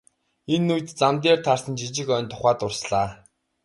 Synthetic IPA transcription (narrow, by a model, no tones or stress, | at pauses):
enːujt̪t͡samt̪̬eːrt̪ʰarsə̆nt͡ɕit͡ɕɪ̆kœːnt̪ʰʊχaːt̪ʊrsɮaː